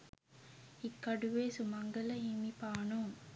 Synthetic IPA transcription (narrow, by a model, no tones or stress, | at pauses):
ikːɐɖuʋeːsumɐŋɡɐlɐɦemipaːnoːŋ